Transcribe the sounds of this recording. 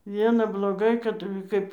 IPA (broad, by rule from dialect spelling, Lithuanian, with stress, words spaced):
ˈʋʲiɛnɐ blˠoːˈɡɐɪ kɐt ˈkɐɪp